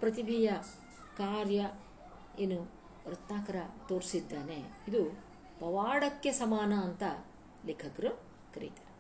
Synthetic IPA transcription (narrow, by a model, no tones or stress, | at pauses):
pɾɐt̪̬ibʱijɐ | kaːɾjɐ | eːnːu | ɾɐt̪naːkɐɾɐt̪oːɾsid̪ːaːneid̪u | pɐʋaːɽɐkːe̞sɐmaːnɐːnt̪ɐ | leːkʰɐkɐɾu | kɐɾḭt̪e̥